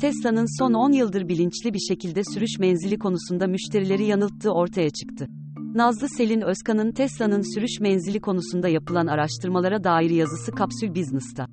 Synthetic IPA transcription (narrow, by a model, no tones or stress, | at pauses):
t̪ʰɛslˠanɯnso̞no̞njɯlˠd̪ɯɾbilʲint͡ʃlʲibiɾʃe̞cʰilʲd̪ɛsyɾyʃmɛnzilʲikʰo̞nusund̪amyʃt̪ʰe̞ɾilʲe̞ɾijanɯlˠt̪ʰːɯːo̞ɾt̪ʰajat͡ʃʰɯ̥kt̪ʰɯ | nazlˠɯse̞lʲinøskʰanɯnt̪ʰɛslˠanɯnsyɾyʃmɛnzilʲikʰo̞nusund̪ajapɯlˠanaɾaʃt̪ʰɯɾmalˠaɾad̪aːiɾijazɯsɯkʰapsylʲbiznɛst̪ʰa